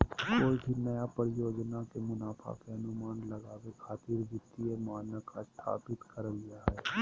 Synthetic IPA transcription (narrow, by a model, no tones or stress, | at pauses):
koːibʱinɐjapəɾɪjoːd͡ʒnakemʊnaːpʰa̰keɦɐnʊmaːnlɐɡaːwekʰaːt̪iːɾd͡ʒɪt̪ːiemaːnəkʰast̪ʰa̰ːpɪt̪kəɾəliaɦɛː